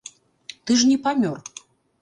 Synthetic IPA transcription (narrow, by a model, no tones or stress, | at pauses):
t̪ɨʐnʲɛpamʲɔr